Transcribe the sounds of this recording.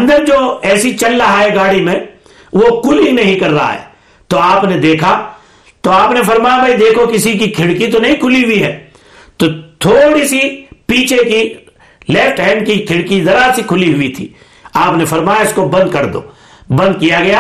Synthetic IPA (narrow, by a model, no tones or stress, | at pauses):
ɐ̃nd̪əɾd͡ʒoːɛːsit͡ʃɐlːɐɦaːɦɛɡaːɽimẽ | ʋokʰʊlinɐɦĩkɐɾːɦa̰ɦɛ̰ː | t̪oaːpned̪eːkʰa | t̪oaːpnefɐɾmaːjabɐid̪eːkʰokɪsikikʰɪɽkit̪onɐɦĩkʰʊliɦʊiɦɛː | t̪ot̪ʰoːɽisipiːt͡ʃʰeki | lɛːfʈɦɛ̃ːnkikʰɪɽkizɐɾaːɾsikʰʊliɦʊit̪ʰḭː | aːpnefɐɾmaːjaɪskobɐ̃nd̪kɐɾd̪o̰ː | bɐ̃nd̪̚kijaɡɐja